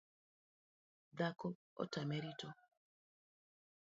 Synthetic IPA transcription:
d̪akɔ | ɔ̰tameɾitɔ

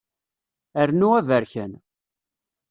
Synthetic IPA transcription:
əɾnuævəɾçə̰n

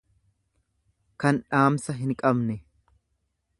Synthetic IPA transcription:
kɐnᶑaːmsɐɦɪŋkʼɐbnɛ

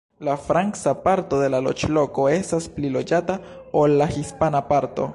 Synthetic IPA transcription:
lafɾaŋksapaɾto̞d̪e̞lalo̰t͡ʃlo̞ko̞e̞stasplilo̞d͡ʒataolːaxispanapaɾto̞̰

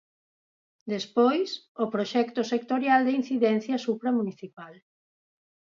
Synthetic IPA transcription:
d̪espojs | opɾoʃɛkt̪osek̚t̪oɾjald̪ein̟θiðɛn̟θjɐsupɾamuniθipal

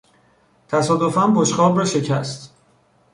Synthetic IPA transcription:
t̪ʰæsɒːd̪ofæmpoʃχɒːbɾɒːʃe̞cʰæst̪

